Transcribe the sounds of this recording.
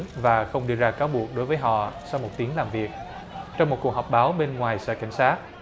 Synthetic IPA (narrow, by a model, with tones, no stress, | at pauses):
nvaː˨˩xə˧wŋ͡mɗi˧əzaː˧kaː˨˦wɓu˨˩ək̚ɗo˨˦jvəː˨˦jɦɔ̰˧˨sa˧wmo˨˩t̚t̪i˨˦əŋlaː˨˩mvi˨˩ək̚ | t͡ɕɔ˧wŋ͡mmo˨˩t̚kk̚ɦɔ˨˩wk͡p̚ɓaː˨˦wɓe˧nŋwaː˨˩jsɛ̰˧˥ka˧˩jŋ̟saː˦˥t̚